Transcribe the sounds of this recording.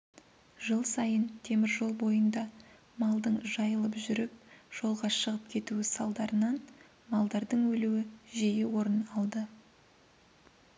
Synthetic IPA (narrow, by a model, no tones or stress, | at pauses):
ʒəlˠsɑjənt̪ʰe̞mɪɾʒo̞lˠbo̞jənd̪ɑ | mɑlˠd̪əɴʒɑjəlˠəpʒʏɾɪp̚ʒ̥o̞lˠʁɑʃəʁəp̚kʲʰe̞t̪uɪsɑlˠd̪ɑɾənɑn | mɑlˠd̪ɑɾd̪əɴwɵluwɪʒe̞jɪwo̞ɾənɑlˠd̪ə